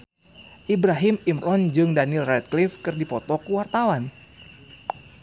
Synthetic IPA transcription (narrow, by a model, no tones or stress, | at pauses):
ʔibɾaɦimimɾɔnd͡ʒɨŋdanilrɛt̪̚klifkɨrdipɔt̪ɔkuwart̪awan